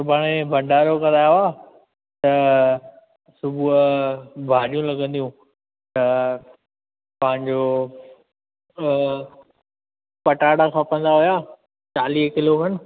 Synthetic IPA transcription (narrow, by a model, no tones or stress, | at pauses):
sʊbʱaːɽ̃ẽbʱɐ̃ɳɖaːɾokɐɾaːjaaː | t̪ɐ | sʊbʱu | bʱaːɗijũlɐɡə̃nd̪ijũ | t̪ɐ | pɐ̃ɦɪ̃ɲd͡ʑo | pɐʈaːɽakʰapə̃nd̪aɦujaː | t͡ɕaːliːɦkɪlokɐn̆